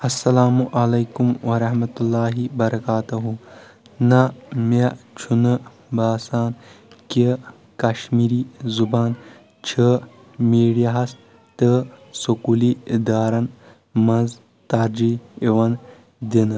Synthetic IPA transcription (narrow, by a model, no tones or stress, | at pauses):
ɐsːɐlaːmuʔɐlejkumwɐɾɐɦmɐt̪ulːaːɦibɐɾɐkaːt̪ɐɦunɐmɐt͡ʃʰunɨ | baːsaːn | ki | kɐʃmiɾiːzubaːn | t͡ʃʰi | miːɽijaɦɐs | t̪ɨsukulid̪aːɾɐn | mɐnz | t̪aːɾd͡ʑiiʋɐn | d̪in